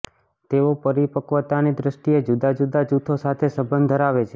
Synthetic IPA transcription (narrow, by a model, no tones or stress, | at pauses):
t̪eopəɾipəkʋət̪anid̪ɾəʃʈied͡ʒud̪ad͡ʒud̪ad͡ʒut̪ʰosat̪ʰesəbənd̪d̪ʱəɾaʋet͡ʃʰe